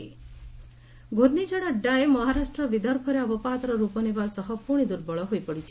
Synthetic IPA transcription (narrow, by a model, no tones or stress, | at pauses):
ɡʱoɾnid͡ʒaɽaɖaemɔɦaɾasʈɾɔbid̪ʱɔɾpʰɔɾeɔbɔpat̪ɾɔɾupɔnebasɔɦɔpuɳ̃id̪uɾbɔɭɔɦojpɔɽit͡ʃʰi